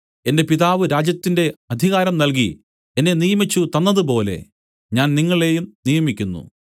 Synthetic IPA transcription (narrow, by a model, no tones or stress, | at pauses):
e̞nde̞piðaːʋɨɾaːd͡ʑjɐt̪ːinde̞ɐd̪ʱiɣaːɾɐmnɐlk̬ḭ | enːe̞nijɐmit͡ɕːut̪ɐnːɐðupo̞ːle̞̰ | ɲaːnniŋːɐɭe̞ːjumnijɐmikʲːunːṵ